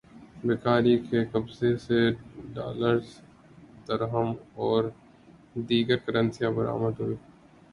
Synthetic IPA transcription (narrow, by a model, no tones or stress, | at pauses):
bɪkaːɾikekɐbzeseɖa̰ːləɾz | d̪̥əɾɦəmɔːɾ | d̪iːɡəɾkɐɾə̃nsijãbɐɾa̰ːməd̪ɦʊiː